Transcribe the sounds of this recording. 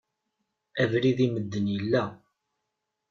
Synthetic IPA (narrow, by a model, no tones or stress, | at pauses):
ævɾiðiməd̪ːənjəlːæ